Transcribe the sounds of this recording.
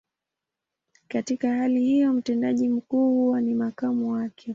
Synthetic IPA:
katikahalihijɔm̩tɛndaʄim̩kuːhuwanimakamuwakʰɛ

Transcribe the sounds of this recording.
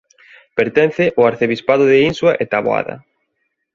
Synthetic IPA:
peɾt̪ɛn̟θɪʔʊaɾθeβispaðʊðɪinswaʔet̪aβoa̰ðɐ̰

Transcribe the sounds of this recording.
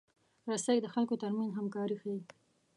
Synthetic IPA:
ɾasajd̪əxalkot̪aɾmanzɦamkɑɾixawi

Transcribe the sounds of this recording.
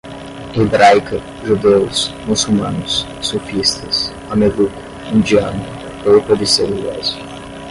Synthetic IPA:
ebɾajkɐ | ʒud̪eʊsmusumãnʊsː | ofist̪ɐs | ɐmeðukʊ̥ | ĩnd͡ʒianʊ | powpɐd̪iseluɛ̰z

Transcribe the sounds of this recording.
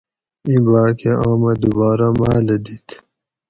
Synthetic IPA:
ibaːkʰeʔaːmɐd̪ubaːɾamaːlɐd̪it̪ʰ

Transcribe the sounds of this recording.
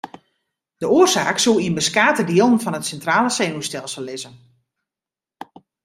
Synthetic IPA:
d̥əoərsaːksulˠiənbəskaːtədiəlˠn̩fɔnətsɛntraːləseːnustɛlˠsəlˠːɪzən

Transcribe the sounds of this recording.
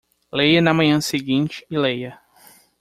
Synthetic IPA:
lejɐnɐmɐ̃ɲɐ̃seɡĩnt͡ʃɪ̥ɪlejɐ

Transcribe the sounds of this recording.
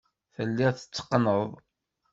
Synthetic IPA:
θəlːiʁθə̥t͡sːə̥qːnəðˤ

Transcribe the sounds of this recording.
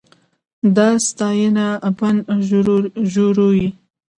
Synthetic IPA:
d̪ɑst̪ɑjənaban | ʒoɾoji

